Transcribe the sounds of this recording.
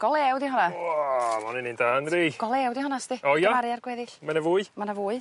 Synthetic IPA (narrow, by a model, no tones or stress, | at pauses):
ɡ̥ɔlˠɛɛwdiɦɔna | manɪnindaːnriɡ̥ɔlˠɛɛwdiɦɔnasdɪɔjavaɾɨarɡwɛðɪɬmanavuːɨmanavuːɨ